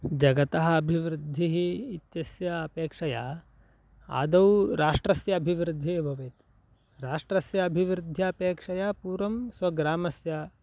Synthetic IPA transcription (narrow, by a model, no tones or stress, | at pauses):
d͡ʒɐɡɐt̪ɐɦɐːbʱiʋɾɪd̪ʱːiɦiːt̪jɐsjɐɐpeːkʂɐja | a̰ːd̪ɐwɾaːʂʈɾɐsjɐːbʱiʋɾɪd̪ʱːiɦbʱɐʋeːt̪ | ɾaːʂʈɾɐsjɐːbʱiʋɾɪd̪ʱjɐːpeːkʂɐjapuːɾɐmsʋɐɡɾaːmɐsjɐ